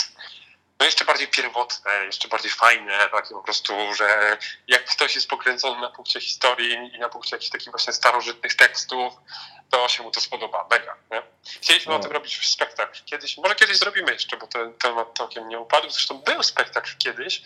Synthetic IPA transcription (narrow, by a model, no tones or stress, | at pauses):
nɔjɛʂt͡ʂɛbaɾd͡ʑejpʲjɛɾvɔt̪nɛjɛʂt͡ʂɛbaɾd͡ʑejfajnɛt̪akʲɛpɔpɾɔst̪uʐɛjakːt̪ɔɕjɛst̪pɔkɾɛnzɔnɘnapuŋkt͡ɕɛxʲi̥st̪ɔɾʲjiinapuŋkt͡ɕɛjakʲi̥xt̪akʲiɣvwaɕɲɛst̪aɾɔʐɘt̪̚nɘxt̪ɛkst̪uft̪ɔɕɛmut̪ɔspɔd̪ɔba̰mɛɡa̰ɲɛ | xt͡ɕelʲiɕmɘɔt̪ɘmɾɔbʲit͡ɕspɛk̚t̪akkʲɛd̪ɘɕmɔʐɛkʲɛd̪ɘʑzɾɔbʲimɘjɛʂt͡ʂɛbɔt̪ɛnt̪ɛmat̪̚ːawkʲɛmɲɛupad̪wzɾɛʂt̪ɔ̃w̃bɘwspɛk̚t̪aklkʲɛd̪ɘɕ